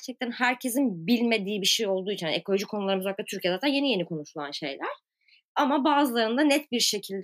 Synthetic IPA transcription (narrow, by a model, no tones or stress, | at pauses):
ɾt͡ʃʰɛc̚t̪ænhæɾcʰe̞zinbilʲme̞d̪iːbiʃejo̞lˠd̪uːjit͡ʃʰinekʰo̞lʲo̞ʒickʰo̞nulˠaɾɯmɯzvaklˠat̪ʰyɾcʰijeɛaːt̪ʰanje̞nije̞nikʰo̞nuʃulˠa̰nʃe̞̰jlʲæɾ̥ | amabaːzɯlˠaɾɯnd̪anɛt̪biɾʃe̞cʰilʲd̪